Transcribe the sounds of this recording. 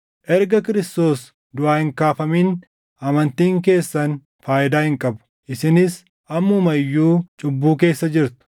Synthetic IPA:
ʔɛɾɡɐkɪɾɪst̪o̞ːs | d̪ʊaːhɪŋkaːfɐmiːn | ʔɐmɐnt̪iːŋk̬e̞ːsːɐn | faːʔɪd̪aːhɪŋkʼɐbʊ̥ | ʔɪsɪnɪs | ʔɐmːʊmɐjːuːt͡ʃʼʊbːuːke̞ːsːɐd͡ʒɪɾt̪ʊ̥

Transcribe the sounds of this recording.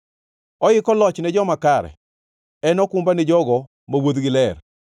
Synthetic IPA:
ɔɪkɔlɔt͡ʃnɛd͡ʒɔmakaɾɛ̰ | ɛnɔkʊmbanɛd͡ʒɔɡɔ | mawod̪ɡɪlɛr

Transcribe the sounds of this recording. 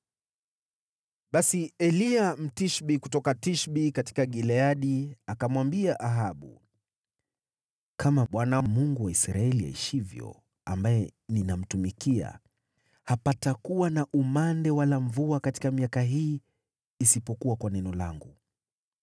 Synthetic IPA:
ɓasiɛliam̩tiʃɓikutɔkatiʃɓikati̥kaɠilɛaɗiakamwambiaʔaɦaɓṵ | kʰamaɓwanamuŋɡuwaisɾaɛlia̰ḭʃivjɔ̰ | a̰mbajɛninam̩tumikia̰ | hapatakuwanaʔumandɛwalaɱvuakati̥kamiakaɦiː | sipɔkuwakwanɛnɔla̰ŋɡu

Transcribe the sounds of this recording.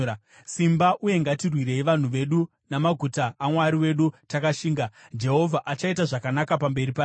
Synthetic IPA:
simbaʔuje̞ŋɡatirwiɾe̞iʋan̤uʋe̞ɗu | namaɡʱutaʔːmwaɾiwe̞ɗutakaʃiːŋɡad͡ʒe̞ɦo̞vʱaʔat͡ʃaitaʐakanakapambe̞ɾipaː

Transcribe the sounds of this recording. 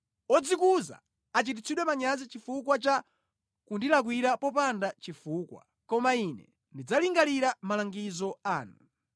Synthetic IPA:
ɔd͡zikuza̰ː | t͡ʃit̬it͡sʰiɗwɛmaɲazit͡ʃifukwat͡ʃa | kundilak̬wiɾapɔpandat͡ʃifuːkwa̰ | kɔmainɛ̰ | ndid͡zaliŋɡaliɾamalaŋɡizɔaːnu

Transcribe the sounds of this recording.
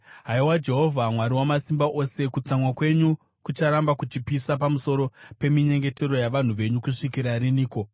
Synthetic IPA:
ɦaiwad͡ʒe̞ɦo̞vʱamwaɾiwamasimbaʔo̞se̞kut͡samwakwe̞ɲu | kut͡ʃaɾambakut͡ʃipisap̬amuso̞ɾo̞pe̞miɲe̞ŋɡe̞te̞ɾo̞jaʋan̤uʋe̞ɲukuʂikiɾaɾiniːko̞

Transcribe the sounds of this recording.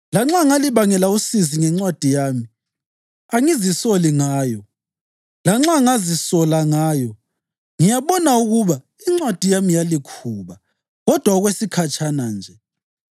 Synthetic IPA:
laŋ͡ǁaŋaliβaŋɛlausiziŋɛŋ͡ǁwad̥ʱijaːmi | aŋizisɔliŋaaːjɔ | laŋ͡ǁaŋazisɔlaŋaːjɔ | ŋijaβɔnauɣuβa | iŋ͡ǁwad̥ʱijamijalikʰuːβa | ɣɔd̥ʱwaɔɣwesikʰat͡ʃʼʰanand͡ʒʱɛ

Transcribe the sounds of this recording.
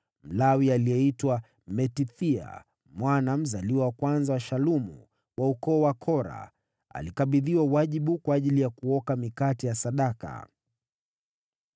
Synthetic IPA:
m̩lawialiɛitwa | mɛtiθia̰ | mwanam̩zaliwawakwanzawaʃalumṵ | wʔaukɔːwakʰɔɾa̰ | a̰likaɓiðiwawaʄiɓukwaːʄilijakuɔkamikatijasaɗaka̰

